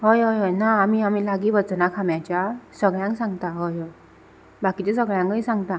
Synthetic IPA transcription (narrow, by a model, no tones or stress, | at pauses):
hɔjɔjɔjnaːmiamilaɡibazɯnakʰamjat͡ʃasɔɡajaŋsaŋtaɦɔjɔj | bakitɯsɔɡajaŋɯjsaŋta